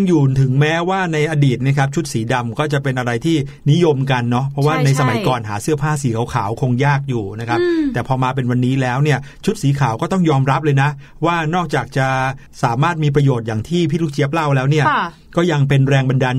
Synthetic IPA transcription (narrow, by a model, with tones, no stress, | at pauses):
ŋjuː˨˩t̪ʰɯ˨˩˦ŋmɛː˦˥waː˥˩na˧jʔa˧diː˨˩t̪̚ni˥˩kʰp̚t͡ɕʰu˦˥t̪̚siː˩˦da˧mkɔː˥˩t͡ɕa˨˩pe˧nʔa˧ɾa˧jt̪ʰiː˥˩ | ni˦˥jo˧mka˧nːɔ˦˥pʰɔ˦˥waː˥˩na˧jsa˧ma˩˦jjkɔː˨nɦaː˩˦sɯ˥˩ɐpʰaː˥˩siː˩˦kʰa˨˩˦wkʰaː˩˦wkʰo˧ŋjaː˥˩k̚juː˨˩na˦˥kʰa˦˥p̚t̪ɛː˨˩pʰɔː˧maː˧p̬e˧nwa˧nːiː˦˥lɛː˦˥wni˥˩ɐt͡ɕʰu˦˥t̪̚siː˩˦kʰaː˩˦wkɔː˥˩t̪ɔ˥˩ŋjɔː˧mɾa˦˥p̚lɤː˧jna˦˥ | waː˥˩nɔː˥˩k̚t͡ɕaː˨˩k̚t͡ɕa˨˩ | saː˩˦maː˥˩t̪̚miː˧p̬ɾa˧joː˨˩t̪̚jaː˨˩ŋt̪ʰiː˥˩pʰiː˥˩lu˥˩t͡ɕʰi˦˥əp̚la˥˩wlɛː˦˥wni˥˩ɐ | kɔː˥˩ja˧ŋpe˧nɾɛː˧ŋba˧ndaː˧n